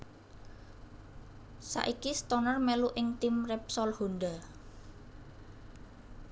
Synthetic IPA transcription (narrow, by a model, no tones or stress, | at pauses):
sa̰ʔikist̪ɔnərmeluʔɪŋt̪imrɛp̚sɔlhonɖa